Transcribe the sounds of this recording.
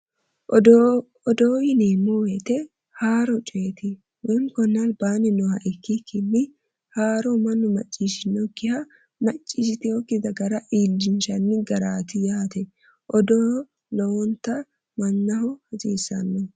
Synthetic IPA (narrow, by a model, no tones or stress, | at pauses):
ɔd̪oːɪnemɔwet̪ɛ | haːɾɔt͡ʃʼeːt̪ɪ | wɛŋkɔnːɐlbaːnɪnɔhɐʔɪkːɪkʰːɪnːɪ | haːɾɔmɐnːʊmɐt͡ʃʼːiːʃɪnːɔɡɪhɐ | mɐt͡ʃʼːiːʃɪt̪ɪjɔkːɪd̪ɐɡɐɾɐʔiːld͡ʒɪnʃɐnːɪɡɐɾaːt̪ɪjaːt̪ɛ | ʔɔd̪ɔː | lɔwɔnt̪ɐ | mɐnːɐhɔhɐziːsːɐ̰nːɔ